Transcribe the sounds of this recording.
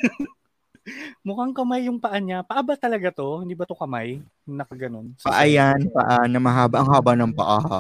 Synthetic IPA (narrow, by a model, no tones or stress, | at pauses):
mʊkaŋkɐmajːʊŋpɐʔaɲapɐʔɐbat̪ɐlɐɡat̪o̞hɪnd̪iːbɐt̪okɐmaj | nɐkɐɡɐno̞npɐ̰ʔajanpɐ̰ʔanɐmɐɦaːbaʔɐŋhaːbɐnɐŋpɐ̰ʔaha